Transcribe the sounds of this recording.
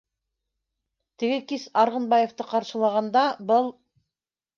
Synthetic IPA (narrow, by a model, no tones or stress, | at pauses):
t̪ɘ̆ɡɘkisɑɾʁɤ̆nbɑjeft̪ɤqɑɾʃɤ̆lˠɑʁɑnd̪ɑbɤlˠ